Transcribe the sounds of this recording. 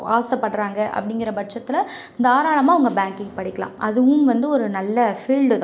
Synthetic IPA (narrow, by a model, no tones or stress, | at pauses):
aːsɐpːɐʈːɾaːŋɡɐʔɐ̰pːɐɽɪŋɡɪɾɐbɐʈʂɐt̪ːɪlɐ | ɪnd̪aːɾaːɭɐmaːʋɐŋɡɐbaːŋkɪŋpɐɽɪkːɐlã̰ːɐðɯʊ̃mʋɐnd̪ɯɔɾɯnɐlːɐfiːɭɖɯt̪ãː